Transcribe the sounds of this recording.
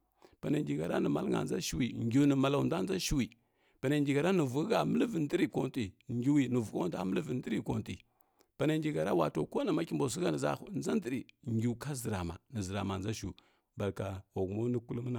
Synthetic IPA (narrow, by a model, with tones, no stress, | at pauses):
pa˨na˨ŋɡi˨ɡa˨ɾa˦nə˨ma̰˨˦lŋa̰˨nd͡za̰˦ʃi˦wi˨ŋɡʲu˨˦nə˨ma˨la˨u˨nda˦n˦d͡za˦ʃi˦wi˨ | pa˨na˨ɡi˨ɡa˨ɾa˦nə˨vu˨˦ɡa˨mə˦lvə˨ndə˦ɾi˦˨ko˦n˦ti˨ŋɡi˦wi˨nə˨vu˨ko˦n˦da˦mə˦lvi˨n˦də˦ɾi˦ko˨n˨ti˨ | pa˨na˨ŋ˦ɡi˨ɡa˨ɾa˦wa˨to˨ko˦na˨ma˦kʲi˦˨mbo˨s̬i˦ɡa˦nə˨za̰˦nza˦n˦də˨ɾi˨ŋɡʲi˨ka˦zə˨ɾa˨ma̰˨nə˨zə˨ɾa̰˨ma˨nza˦ʃu˨u˨ | ba˨lka˨o˨ɡu˨mo˦ni˦ku˦lu˦m˦na˨